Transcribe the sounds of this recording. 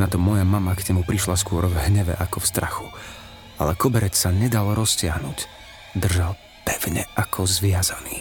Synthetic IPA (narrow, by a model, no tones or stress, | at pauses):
nat̪ɔmɔjamamaɡɲɛmupɾiʃlaskʊɔɾvɦɲɛʋɛ̰ʔakɔfst̪ɾa̰xu̥ | a̰lɛkɔbɛɾɛt͡ssaɲɛd̪alɾɔscɪaɦnuc | d̪r̩ʒal | pɛʊɲɛ̰ʔakʰɔzʋɪazaniː